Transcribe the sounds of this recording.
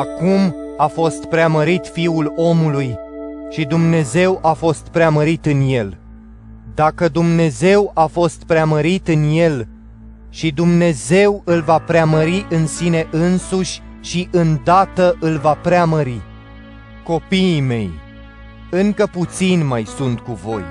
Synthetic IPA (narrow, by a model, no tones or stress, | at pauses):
akumafo̞st̪pɾeaməɾit̪fiulo̞mulujʃid̪umne̞ze̞wʔafo̞st̪pɾeaməɾit̪ɨnje̞l | d̪akəd̪umne̞ze̞wafo̞st̪pɾeaməɾit̪ɨnje̞l | ʃid̪umne̞ze̞wɨlvapɾeaməɾiʔɨnsine̞ʔɨnsuʃʲ | ʃiʔɨnd̪at̪əʔɨlvapɾeaməɾi | ko̞piːme̞j | ɨŋkəput̪sinmajsunt̪kuvo̞̰j